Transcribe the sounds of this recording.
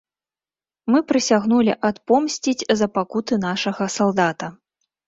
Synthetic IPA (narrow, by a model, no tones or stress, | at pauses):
mɨpɾɨsʲaɣnulʲiʔat̪pɔmsʲt͡sʲid͡zʲzɐpakut̪ɨnaʂɐɣɐsalˠd̪at̪ɐ